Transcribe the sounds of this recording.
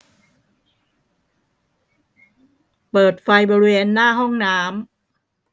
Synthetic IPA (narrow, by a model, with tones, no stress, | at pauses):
pɤː˨˩t̪̚fa˧jbɔː˧ɾweː˧nːaː˥˩ɦɔ˥˩ŋnaː˦˥m